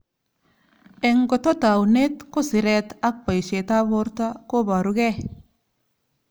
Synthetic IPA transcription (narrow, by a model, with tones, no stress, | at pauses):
e˨ŋɡo˨to˦ta˨wne˦t̪ku˦sɪ˨ɾe˨t̪a˦k̚pa˨jʃe˨ta˦bo˦ɾta˦ko˦ba˨ɾu˨˦ɡe˦